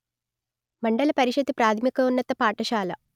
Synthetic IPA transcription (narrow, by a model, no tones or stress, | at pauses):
mɐɳɖɐlɐpɐɾiʃɐd̪ipɾaːt̪ʰimikɐunːɐt̪ɐpaːʈɐʃaːlɐ